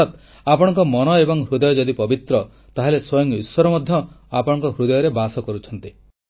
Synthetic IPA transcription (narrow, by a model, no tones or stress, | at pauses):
at̪ | apɔɽ̃ɔŋkɔmɔnɔebɔŋɦɾud̪ɔjɔd͡ʒɔd̪ipɔbit̪ɾɔ | t̪aɦeleswɔjɔŋiswɔɾɔmɔd̪ʱjɔ | apɔɽ̃ɔ̃ŋkɔɦɾud̪ɔjɔɾebasɔkɔɾut͡ʃʰɔnt̪i